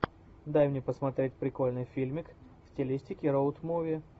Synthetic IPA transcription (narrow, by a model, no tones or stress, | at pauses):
d̪ajmnʲepəsmɐt̪ɾʲetʲpɾʲɪko̞lʲnɨjfʲilʲmʲɪk | sʲtʲɪlʲisʲtʲɪkʲɪɾoʊt̪movʲɪ